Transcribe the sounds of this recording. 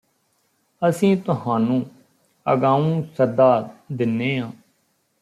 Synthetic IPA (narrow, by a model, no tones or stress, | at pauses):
əsĩːt̪ʊɦãːnũː | ə̰ɡãːũːsəd̪aːd̪ɪnːeːɦãː